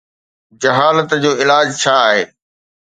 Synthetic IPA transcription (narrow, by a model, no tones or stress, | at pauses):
d͡ʑɐɦaːlət̪d͡ʑoːɪlaːd͡ʑt͡ɕʰaːɦeː